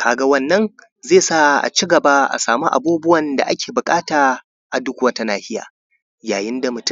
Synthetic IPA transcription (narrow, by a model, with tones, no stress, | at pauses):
kʰaː˨ɡa˦wɐ˦nːɐ˦ŋ | zeː˦˨sa˦ʔa̰˨t͡ʃi˦ɡɐ˨ba˦ʔa̰˨saː˨mu˦ʔa̰˨buː˦bʊ˦wɐ˨nda̰˨ʔa˦kʲʰeː˨bʊ˨kʼaː˦taː˨ | ʔa˨dʊ˦kʷwɐ˦ta˦naː˦hɪ˦ja̰ː˨ | jaː˨jɪ˦nda˨mʊ˨t